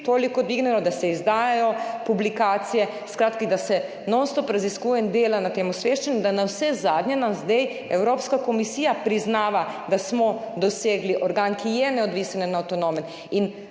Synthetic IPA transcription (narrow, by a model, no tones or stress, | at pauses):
t̪oːlikɔd̪ʋiɡnɛlɔd̪asɛizd̪aːjajɔpublikaːt̪sijɛ | skɾaːt̪kad̪asɛ | nɔwst̪ɔpɾaziskuːjɛnd̪eːlanat̪eːmusʋeʃt͡ʃɛnud̪anawsɛzaːd̪ɲjɛnamzd̪ɛj | ɛwɾoːpskakɔmisiːjapɾiznaːʋad̪asmɔd̪ɔseːɡliʔɔɾɡaːnkijɛnɛɔd̪ʋisananaːwt̪ɔnomɛn | in